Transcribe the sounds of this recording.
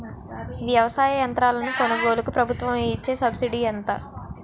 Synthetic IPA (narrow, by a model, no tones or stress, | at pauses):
ʋjɐʋɐsaːjɐjɐnt̪ɾaːlɐnukonɐɡoːlɐkupɾɐbʱut̪ʋɐmiit͡ʃːe̞ːsɐbsiɖiːɛnt̪a̰ː